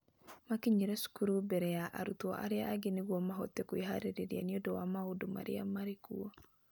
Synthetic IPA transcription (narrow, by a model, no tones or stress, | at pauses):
makiɲiɾɛsu̥kuɾubɛɾɛjaʔa̰ɾutɔʔa̰ɾeaaɡeneɣwɔmaɦɔtɛkoeɦaɾeɾeɾia̰niodɔwamaodoma̰ɾḛamaɾekuɔ